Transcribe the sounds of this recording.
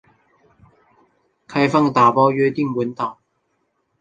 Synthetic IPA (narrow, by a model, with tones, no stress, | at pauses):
kʰɐ˧jfɐ˥ŋt̪aː˨˩pɔː˧jyː˧˥t̪iː˥ŋwuː˨˥nt̪aː˨˩ŋ